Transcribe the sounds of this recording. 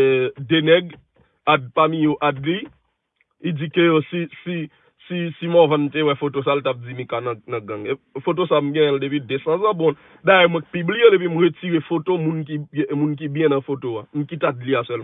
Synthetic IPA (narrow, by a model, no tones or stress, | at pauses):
denɛɡ | ad̚pamijoʔadli | id͡zikøsisi | sisimɔ̃vãnm̩tewɛfotos̬altap̚d͡zimĩkanɐ̃nɐ̃ɡãŋe | fot̬osam̩ɡɛ̃jɛ̃ldep̬idesãzãbɔ̃ | dajɛmwɛ̃k̚piblielep̬wim̩ɣət͡siʁefotomũnk̬imũnk̬ibjɛ̃nɐ̃fotoam̩kitadliasɛlm̃